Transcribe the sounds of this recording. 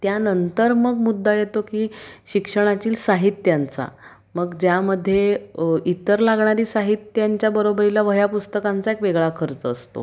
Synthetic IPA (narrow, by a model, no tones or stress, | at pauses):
t̪janənt̪əɾməɡmud̪ʱːajet̪okiːɕikʂəɽ̃at͡ɕiːlsaɦit̪jant͡sa̰ | məɡd͡ʑjaməd̪ʱːjeit̪əɾlaɡɳaɾiːsaɦit̪jaɲt͡ɕjabəɾobəɾilaʋəjapust̪əkant͡saekʋeɡɭakʰəɾt͡səːst̪o̰